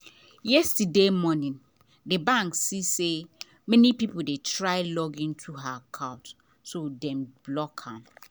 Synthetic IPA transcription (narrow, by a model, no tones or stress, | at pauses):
jɛstdemɔnĩn | debãŋksise | mɛnipipodetʰɹaɪlɔɡĩntʰuɦakʰaʊt | sodɛ̃mblɔkʰãm